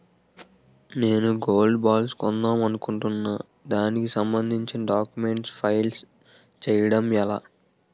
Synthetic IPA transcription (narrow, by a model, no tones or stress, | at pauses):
ne̞ːnuɡo̞ːlɖbaːlskɔnd̪aːmɐnukuɳʈunːɐ | d̪aːnikisɐmbɐnd̪ʱiɲt͡ʃinɐɖaːkjume̞ɳʈspʰɐjls | t͡ʃɛjɐɽɐmɛlaː